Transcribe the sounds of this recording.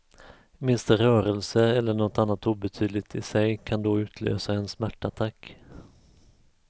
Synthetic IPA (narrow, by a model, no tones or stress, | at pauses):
mɪnst̪əɾœːɾəlsəɛlːəɳɔt̪anːat̪uːbɛt̪ʰyːd̪lɪt̪ɪsɛjkʰand̪oʉ̟ːt̪ʰlø̰ːsaɛnsmæʈːat̪ʰakː